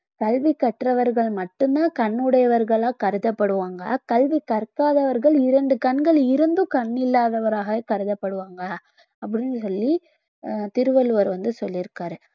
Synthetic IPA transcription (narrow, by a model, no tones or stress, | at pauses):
kɐlʋikːɐʈɾɐʋɐɾɣɐɭmɐʈːɯnd̪ãːkɐɳːɯɽɐjɐʋɐɾɣɐɭaːkɐɾɯðɐpːɐɽɯʋaːŋɡɐ̰kɐlʋikɐɾkaːðɐʋɐɾɣɐɭɪɾɐɳɖɯkɐɳɡɐɭɪɾɯnd̪ɯkɐɳːɪlːaːðɐʋɐɾaːɣɐkɐɾɯðɐpːɐɽɯʋaːŋɡɐː | pːɐɽɪnːɯsɔlːi | t̪ɪɾɯʋɐlɯʋɐɾʋɐnd̪ɯsɔlːɪɾɯkːaːɾɯ